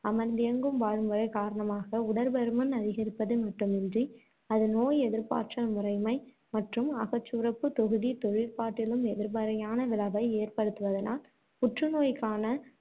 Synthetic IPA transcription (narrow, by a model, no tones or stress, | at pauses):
ɐmɐnd̪ɪjɐŋɡɯmʋaːɻɯmʋɐɾɐɪkaːɾɐɳɐmaːɣɐʊɽɐɾbɐɾɯmɯnɐðɪɣɪɾɯpːɐðɯmɐʈːɯmɛndri | ɐðɯnoːjɛðɪɾpa̰ːʈʂɐlmʊrɐɪmɐɪ | mɐʈrɯmɐɣɐt͡ʃːʊɾɐpːɯt̪ɔɣɯðit̪ɔɻɪɾpaːʈːɪlɯmɛðɪɾbɐɾɐjaːnɐʋɪlɐbɐɪeːrpɐɽɯt̪ːɯʋɐðɐna̰ːl | pʊʈrɯnoːjkːaːnɐ